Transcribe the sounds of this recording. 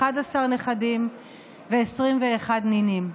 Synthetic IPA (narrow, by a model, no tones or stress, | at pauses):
adasaʁneχadim | veːsʁimveːχad̪ninim